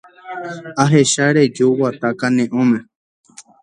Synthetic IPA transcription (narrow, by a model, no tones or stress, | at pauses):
aɦeʃaɾed͡ʒuwat̪akanẽʔõmẽ